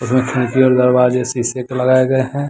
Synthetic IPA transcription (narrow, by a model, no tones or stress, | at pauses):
ʊsmẽkʰɛ̃ːkiɔːɾd̪ɐɾbaːd͡ʒesisekelɐɡaːeɡɐeɦɛ̃ː